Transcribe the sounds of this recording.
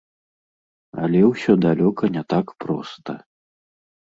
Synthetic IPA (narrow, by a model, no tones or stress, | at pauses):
ɐ̰lʲɛwsʲɔd̪alʲɔkɐnʲɛt̪akpɾɔ̰st̪ɐ